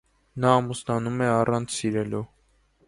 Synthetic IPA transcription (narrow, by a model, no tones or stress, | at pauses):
nɑːmusnɑnumɛɑrɑnt͡sʰsiɾɛlu